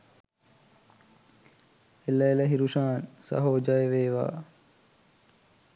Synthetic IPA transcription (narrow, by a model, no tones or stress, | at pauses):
elːɐelɐɦiɾuʃaːnsɐ̰ɦoːd͡ʒajeʋeːʋa̰ː